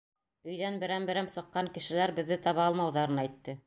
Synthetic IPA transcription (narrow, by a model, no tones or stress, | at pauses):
ɵ̆jðænbɘ̆ɾæmbɘ̆ɾæmsɤ̆qːɑŋkɘ̆ʃɘ̆læɾbɘ̆ðːɘt̪ɑβɑɑlˠmɑwðɑɾɤnæjt̪ːɘ